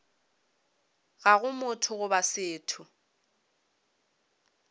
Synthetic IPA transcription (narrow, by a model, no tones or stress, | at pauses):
ɣaɣʊmʊtʰʊɣʊbasɪːtʰʊ